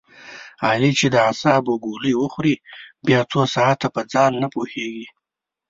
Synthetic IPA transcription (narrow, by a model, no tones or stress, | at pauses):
ɑlit͡ʃed̪əasɑboɡoləjwəxɾibjɑt͡sosɑat̪ːapəd͡zɑnːapoheɡi